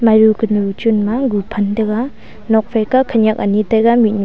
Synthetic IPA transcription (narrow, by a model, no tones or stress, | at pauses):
majɾukɯnɾut͡ʃunmaɡupʰɐndɐɡa | nɔk̚pʰajkakʰanjak̚anitajɡamit̚n